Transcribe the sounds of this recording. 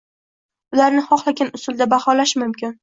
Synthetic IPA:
ʊlaɾnɪχɒχlˠaɡʲanʊsʊld̪abahɒlaʃmʊmkʲɪn

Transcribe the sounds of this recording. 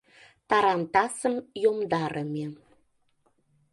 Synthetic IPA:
t̪ɑɾɑnt̪ɑsəmjomd̪ɑɾʔəme

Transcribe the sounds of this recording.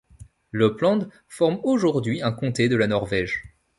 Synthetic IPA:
ləplɑ̃d̪ | fɔʁmoʒuʁd̪ɥiɛ̃kɔ̃t̪ed̪əlanɔʁvɛʒ

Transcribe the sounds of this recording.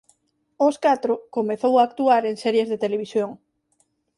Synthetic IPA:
oskat̪ɾokomeθowaːkt̪uaɾeŋsɛɾjezðet̪eleβ̞isjoŋ

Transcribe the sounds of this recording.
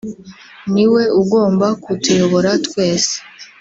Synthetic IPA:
niwe̞uɡo̞ːmbakutujo̞βo̞ɾatwe̞ːse̥

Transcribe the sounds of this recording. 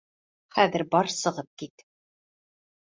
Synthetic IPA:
χæðɘ̆ɾbɒɾsɤ̆ʁɤp̚kit̪

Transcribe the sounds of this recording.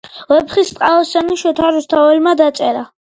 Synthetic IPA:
vɛpχisʼqʼalˠɔsɛniʃɛt̪ʰaɾust̪ʰavɛlmad̪at̪sʼɛɾa

